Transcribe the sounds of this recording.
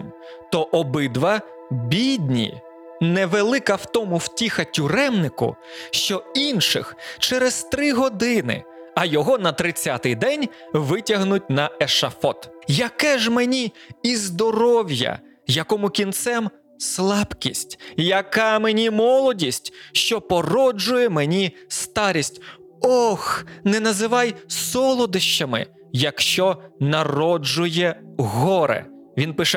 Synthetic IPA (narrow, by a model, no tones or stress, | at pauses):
m | t̪ɔʔɔbɪd̪ʋɐ | bʲid̪ʲnʲḭ | nɛʋelˠɪkɐwt̪ɔmʊwtʲixɐtʲʊɾɛmnɪkʊ̰ʃt͡ʃɔinʃɪ̰xt͡ʃɛɾezt̪ɾɪɦɔd̪ɪnɪ̰ɐjɔɦɔnɐt̪ɾɪt͡sʲːat̪ɪjd̪ɛnʲ | ʋɪtʲɐɦnʊt̚ʲnɐɛʃɐfɔt̪jɐkɛʒmenʲiizd̪ɔɾɔwʲjɐ̰ | jɐkɔmʊkʲint̪sɛm | slˠɑbkʲisʲtʲjɐkɑmenʲimɔlˠɔdʲisʲtʲʃt͡ʃɔpɔrɔd͡ʒʊjɛmenʲist̪ɑɾʲisʲtʲ | ɔxnɛnɐzɪʋɑjsɔlˠɔd̪ɪʃt͡ʃɐmɪ̰ | jɐkʃt͡ʃɔnɐrɔd͡ʒʊjɛɦɔɾɛ̰ | ʋʲinpɪʃɛ